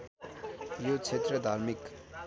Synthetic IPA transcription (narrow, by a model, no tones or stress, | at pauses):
jot͡sʰet̪ɾəd̪ʱaɾmik